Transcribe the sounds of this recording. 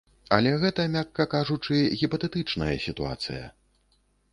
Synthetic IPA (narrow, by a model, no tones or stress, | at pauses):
ɐlʲɛɣɛt̪ɐmʲakːɐkaʐut͡ʂɨɣʲipɐt̪ɛt̪ɨt͡ʂnɐjɐsʲit̪ua̰t̪sɨ̰jɐ̰